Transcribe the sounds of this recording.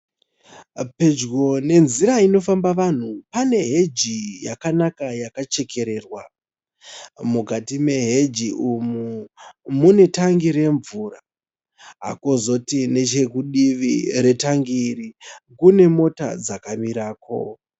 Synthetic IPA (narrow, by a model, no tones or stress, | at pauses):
pe̞d͡ʒɡo̞ne̞nziɾaino̞fambaʋan̤upane̞ɦe̞d͡ʒijakanakajakat͡ʃe̞ke̞ɾe̞ːrwa | mukatime̞ɦe̞d͡ʒiʔumumune̞taŋɡiɾe̞ɱvura | ɦa̰kozo̞tine̞t͡ʃe̞kuɗiʋiɾe̞taŋɡirikune̞mo̞ta̰d͡zakamiɾaːkʰo̞̰